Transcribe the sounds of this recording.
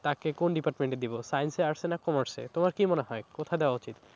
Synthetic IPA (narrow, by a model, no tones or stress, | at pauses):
t̪akekonɖipaɾʈmeɳʈed̪ibosajenseaɾsʰenakɔmaɾsḛt̪omaɾkimoneɦɔekot̪ʰad̪eoaut͡ɕit̪